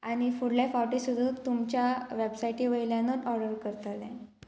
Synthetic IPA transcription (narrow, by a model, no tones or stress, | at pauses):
aɽ̃ifuɽlajfawʈisud̪ʱũːt̪umt͡ɕjaʋebsajʈiʋəjiljãnət̪ɔɾɖəɾkəɾt̪alɛ̃